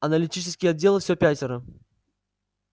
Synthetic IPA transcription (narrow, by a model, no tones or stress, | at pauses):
ɐnəlʲitʲit͡ʃɪ̥skʲɪjɐdʲːe̞lˠɨfsʲopʲætʲɪɾə